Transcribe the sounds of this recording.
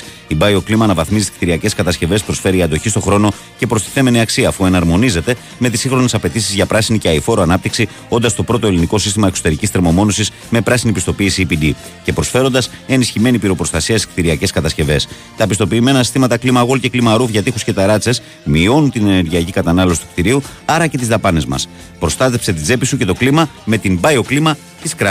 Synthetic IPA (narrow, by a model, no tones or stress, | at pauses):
ibɐio̞klimɐnɐvɐθmizi̥kt̪iɾiɐce̞skɐt̪ɐsceve̞spɾo̞sfe̞ɾiɐnd̪o̞çist̪o̞xɾo̞no̞ | ce̞pɾo̞st̪i̥θe̞me̞niɐksiɐːfue̞nɐɾmo̞nize̞t̪e̞ | me̞t̪isĩŋxɾo̞nesɐpe̞t̪isizʝɐpɾɐsiniceɐifo̞ɾoɐnɐp̚t̪iksi | o̞nd̪ɐst̪o̞pɾo̞t̪oe̞liniko̞sist̪imɐe̞kso̞t̪e̞ɾicist̪ɾemo̞mo̞no̞sis | me̞pɾɐsinipist̪o̞piːsipid̪i | ce̞pɾo̞sfe̞ɾo̞nd̪ɐse̞nisçime̞nipiɾo̞pɾo̞st̪ɐsiɐsekt̪iɾiɐce̞skɐt̪ɐsce̞ve̞s | t̪ɐpist̪o̞piːme̞nɐsist̪imɐt̪ɐklimɐɣo̞lce̞klimɐɾufʝɐt̪ixusce̞t̪ɐɾɐt͡se̞s | mio̞nunt̪ine̞ne̞ɾʝiɐcikɐt̪ɐnɐlo̞si̥t̪ukt̪iɾiuɐɾɐce̞t̪izðɐpɐne̞zmɐ̰s | pɾo̞st̪ɐt̪e̞pse̞t̪id͡ze̞pisuce̞t̪o̞klimɐ | me̞t̪imbɐjo̞klimɐ | t̪iskɾɐ